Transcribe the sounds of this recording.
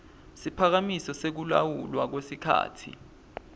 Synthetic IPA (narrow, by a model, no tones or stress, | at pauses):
sipʰak̬amisɔsek̬ula̰wulwak̬wesikʰa̰ːtʰḭ